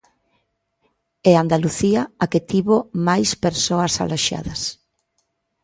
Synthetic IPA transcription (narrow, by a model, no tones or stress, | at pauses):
eand̪aluθiɐaket̪iβomajspeɾsoɐsa̰loʃa̰ðɐs